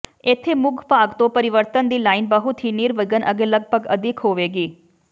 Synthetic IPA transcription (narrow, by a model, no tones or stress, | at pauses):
ɪt̪ʰːeːmʊɡʱpaːɡt̪õːpəɾɪʋəɾt̪ənd̪iːlaːɪnbəɦʊt̪ɦiːniːɾʋəɡənʔəɡeːləɡ̚bəɡəd̪ʱɪkɦoːʋeːɡiː